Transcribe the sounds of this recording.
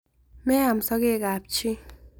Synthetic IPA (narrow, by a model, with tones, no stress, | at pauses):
mɛ˦a˨msɔ˦ɡe˦˨kaː˨p̚t͡ʃʰi˦